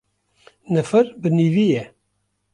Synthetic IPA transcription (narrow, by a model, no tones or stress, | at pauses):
nəfəɾbɨnivijɛ